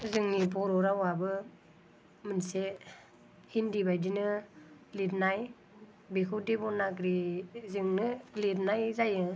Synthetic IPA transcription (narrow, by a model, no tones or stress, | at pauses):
zɯŋnipɔɾɔɾawabɯ | mɯnse | hindibajdinɯ | litnaj | bekʰɯdibɔnaɡɾizɯŋnɯlitnajzajɯ